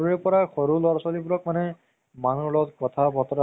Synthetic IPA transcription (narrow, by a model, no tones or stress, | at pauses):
ɹɛpɔɹaxoɹulɔɹsalibuɹɔk̚manɛ | manulɔtkɔtʰabʱɔtɔɹa